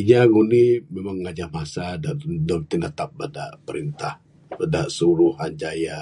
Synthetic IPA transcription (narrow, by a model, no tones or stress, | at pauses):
iɲaɡunimemaŋːad͡ʒahmasadadɔmt̪inat̪ap̚badaʔpəɾint̪ah | badaʔsuɾuhand͡ʒaja